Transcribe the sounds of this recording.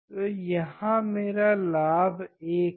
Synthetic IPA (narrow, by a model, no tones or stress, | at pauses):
jɐɦãmeːɾalaːbeːk